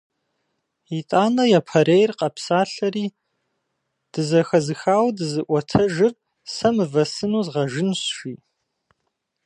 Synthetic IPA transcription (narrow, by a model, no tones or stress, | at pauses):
itʼaːnɐjapʰɐɾejrqʼɑpʰsaːɬɐɾi | d̥ɨzɐxɐzɨxaːwdɨzɨʔʷɔtʰɐʒɨr | sɐmɨvɐsɨnuzʁɐʒɨnsʃi